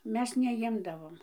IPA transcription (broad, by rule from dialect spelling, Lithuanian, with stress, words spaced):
ˈmʲɛs nʲɛˈjɪmdɐʋoːm